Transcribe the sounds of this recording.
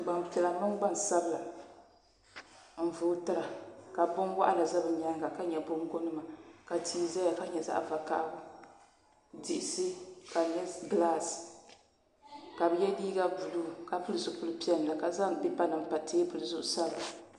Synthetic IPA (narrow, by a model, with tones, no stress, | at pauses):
ɡ͡ba˨m˨ti˨la˨mɨ˦ŋ˦ɡ͡ba˦nsa˦bɨ˨la˨ | m̩˨vʊ˦tɨ˦ɾa˨ka˨bʊ˦nwa̰˦ʔa˦la˨za˦bɨ˨ɲɛ˦ŋɡa˨ka˦ɲɛ˨bʊ˦ŋɡo˦nɨ˦ma˨ka˨tʰiː˦za˦ja˨ka˦ɲɛ˨za̰˦ʔva˨ka̰˦ʔɡʊ˦ | di˨ʔɪ˨sɨ˦ka˨ɲɛ˦ɡlaː˦˨s | ka˨bɨ˦jɛ˦diː˦ɡa˦bu˨lu˦˨ka˨pɨ˦lɨ˦zʊ˨pu˦lɨ˦pi˦ɛ˦n˨la˨ka˨za˦m˨bi˦pa˦nɨ˨m˨pa˨tʰeː˦pɨ˨lɨ˨zʊ̰˦ʔsa˦bla˨